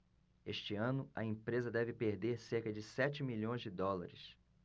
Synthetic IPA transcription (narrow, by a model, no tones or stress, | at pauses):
eʃt͡ʃɪɐ̃nʊɐ̰ẽpɾezɐd̪ɛvɪpeɾd̪eɾsehkɐd͡ʒɪsɛt͡ʃɪmiʎõj̃zd͡ʒɪd̪ɔlɐ̰ɾɪs